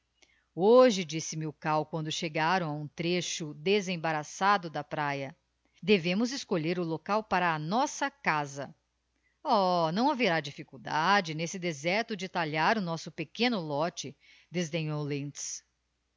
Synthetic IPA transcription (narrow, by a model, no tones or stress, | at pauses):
oʒɪd͡ʒisɪmɪukawkwɐ̃nd̪ʊʃeɡaɾɐ̃w̃aũt̪ɾeʃʊd̪ezẽbaɾasad̪ʊd̪ɐpɾajɐ | d̪evẽmʊzɪskoʎeɾʊlokawpaɾɐːnɔsɐkazɐ̰ | ɔnɐ̃w̃aveɾad͡ʒifikuwd̪ad͡ʒɪnesɪd̪ezɛɾt̪ʊd͡ʒɪt̪aʎaɾʊnɔsʊpekẽnʊlɔt͡ʃɪ | d̪ezd̪ẽɲowlẽt͡ʃs